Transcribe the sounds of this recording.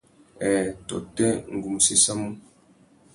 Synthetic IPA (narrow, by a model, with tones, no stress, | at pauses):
ɛ˨tɔ˨tɛ˦ŋ˨ɡu˨mu˨se˦sa˦mu˦